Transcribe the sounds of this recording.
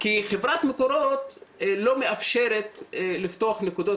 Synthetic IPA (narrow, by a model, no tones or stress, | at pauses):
kiχevɾat̪mekoɾot̪lo̞meafʃeɾet̪lift̪oaχnekud̪o